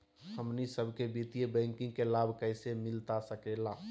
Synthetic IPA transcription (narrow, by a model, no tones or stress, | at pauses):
həmnisəbʱkebit̪ijebə̃ŋkĩŋɡkelabʱkəɪsemɪlt̪asəkela